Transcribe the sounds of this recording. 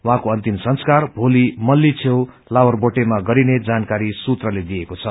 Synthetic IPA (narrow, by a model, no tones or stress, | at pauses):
wɦãkoʌnt̪imsʌnskarbʱolimʌlːit͡sʰew | lawʌrboʈemaɡʌɾined͡zankaɾisut̪rʌled̪iekot͡sʰʌ